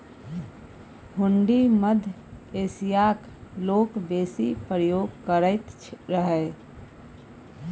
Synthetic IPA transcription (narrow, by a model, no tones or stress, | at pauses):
hʊ̃ɳɖiməd̪ʱ | eːsijaːk | loːkbeːsipɾəjoːɡkəɾəɪt̪ | ɾəɦɛ